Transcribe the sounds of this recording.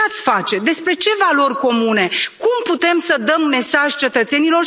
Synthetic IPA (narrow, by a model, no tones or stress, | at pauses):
at̪sʲfat͡ʃe̞d̪e̞spɾe̞t͡ʃe̞valo̞rʲko̞mune̞kumput̪e̞msəd̪əmːe̞saʒʲt͡ʃe̞t̪ət̪se̞nino̞ʃ